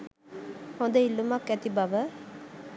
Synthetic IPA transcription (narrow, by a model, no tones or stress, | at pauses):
hõnd̪əilːumɐkːɛt̪ibɐʋə